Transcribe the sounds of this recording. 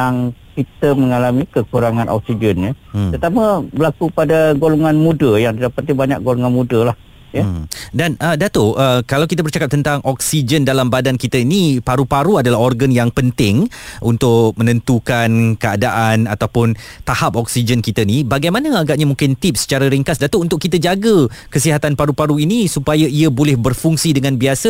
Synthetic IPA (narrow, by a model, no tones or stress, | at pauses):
jaŋkit̪əməŋalamikəkuɾaŋãnʔɔ̰k̚sid͡ʒənɲəət̪amə̃bəlakupadaɡolɔŋanmudəjaŋd̪idapat̪ibaɲa̰k̚ɡolɔŋanmudəlah | jədanədat̪oəkalawkit̪əbərt͡ʃakap̚t̪ənt̪aŋʔɔksid͡ʒəndalambadankit̪əinipaɾupaɾuadalaɦɔrɡanjaŋpənt̪ɪŋ | ʔunt̪ʊk̚mənə̃nt̪ukankəadaʔanat̪awpʊnt̪ahap̚ɔk̚sid͡ʒənkit̪əinibaɡajmãnə̃aɡaʔɲamũŋkɪnt̪ip̚sə̥t͡ʃaɾəɾiŋkasdat̪ʊunt̪ʊʔkːit̪əd͡ʒaɡəkəsiɦat̪anpaɾupaɾuinisupajaiəbolɛhbərfuŋsidəŋãnbiasə